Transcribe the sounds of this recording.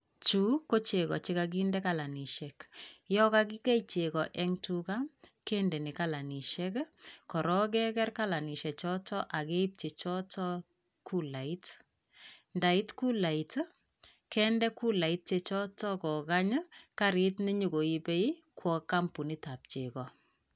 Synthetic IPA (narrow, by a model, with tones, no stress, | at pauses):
t͡ʃu˦ko˦t͡ʃe˨kɔ̰˨t͡ʃi˦kaɡ̬indɛ˦ka˨la˨ni˨ʃɛ˨kjɔ˦ka˦k̬i˦kɛ˦it͡ʃe˨kɔ˨ʔɛ˦ŋtuka˦m | kɛ˦ndɛ˨ni˨ka˦la˨ni˨ʃɛk | kɔ˨ɾɔ˦k̬ɛ˦kɛ˦rka˦la˨ni˨ʃɛ˨t͡ʃɔ˦tɔ˦ʔa˨ke˦i˦p̚t͡ʃe˨t͡ʃɔ˦tɔ˦ | ku˦la˨i˦t | nda˨i˦tku˦la˨it | kɛ˦ndɛ˦ku˦la˨i˦t̚t͡ʃe˨t͡ʃɔ˦tɔ˦kɔ˨ka˦ɲəka˦ɾi˦tni˦ɲu˨ɡo˨i˦pe˦i˦ | kwɔ˨ka˦mpu˨ni˦ta˨p̚t͡ʃe˨kɔ˨